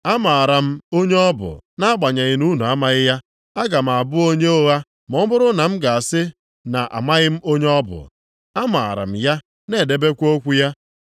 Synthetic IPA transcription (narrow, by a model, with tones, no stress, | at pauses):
a˦ma˨a˨ɾa˨m̩˦o˦ɲe˦ɔ˦bʊ̰˨na˦ɡ͡ba˨ɲa˨ɣɪ˨nu˦nu˨a˦ma˦ɣɪ˦ja˦ | a˦ɡa˨m̩˨a˨bʊ˦o˦ɲe˦o˦ɣa˦ | mɔ˦bʊ˦ɾʊ˦na˨m̩˦ɡa˨a˨sɪ˦ | na˨ʔa̰˨ma˦ɣɪ˦m̩˦o˦ɲe˦ɔ˦bʊ̰˨ | a˦ma̰˨a̰˨ɾa̰˨m̩˨ja˦ | ne˨de˦be˦kʷo˦kʷu˦ja˦